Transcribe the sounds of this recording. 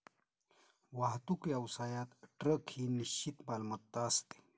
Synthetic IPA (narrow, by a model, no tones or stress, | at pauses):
ʋaɦt̪ukiɐwsaːjat̪ʈɾəkhiniɕt͡ɕit̪balmɐt̪ːaɐst̪e̥